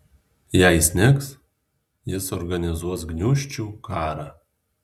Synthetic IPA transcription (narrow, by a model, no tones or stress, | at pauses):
jɛɪsʲnʲɪks | jɪsɔɾɡɐnʲɪzuɔs̬ɡnʲuʃʲt͡ʃʲuːkɑːɾɑː